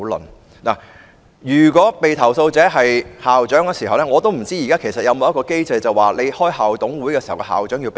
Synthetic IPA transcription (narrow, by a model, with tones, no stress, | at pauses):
lɔ̰˨n | naː˨˩ | jyː˨˩kʷɔː˨˥pe˨jt̪ʰɐ˨˩wso˧wt͡sɛː˨˥ɦɐ˨jhaː˨wt͡ʃœː˨˥ŋkɛː˧si˨˩ɦɐ˨wlɛ˥ŋɔː˨˧t̪o˥wm̩˨˩t͡siː˥jkaː˥kʰe˨˩sɐ˨t̚jɐ˧wmo˨˧jɐ˥tkɔː˧ke˥jt͡sɐ˧jt͡sɐ˨waː˨˩le˨˧jhɔː˥jhaː˨˩wt̪ʊ˨˥ŋwuː˨˥jkɛː˧si˨˩hɐ˨˩wkɛ˧ha̰ː˨˩wt͡ʃœː˨˥ŋji˧wp